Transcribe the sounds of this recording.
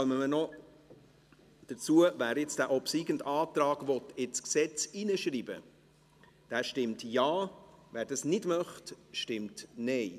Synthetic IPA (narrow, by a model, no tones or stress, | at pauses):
œməmənɔ | d̥ət͡suəvæːɾɪt͡sd̥æːʔɔpsiːɡəntɑːtɾɑːɡvɔtɪt͡sksɛt͡siːnəʃriːbə̰ | d̥æːʃtɪmtjaːvæːɾdɑsnɪdmœχtʃtɪmtnɛɪ